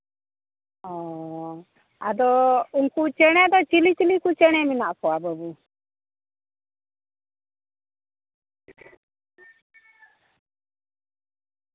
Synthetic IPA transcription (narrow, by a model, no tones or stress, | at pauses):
ɔ̃ | ad̪ɔunkut͡ʃɛɽ̃ɛd̪ɔt͡ʃilit͡ʃilikut͡ʃɛɽ̃ɛminaʔpɔabəbu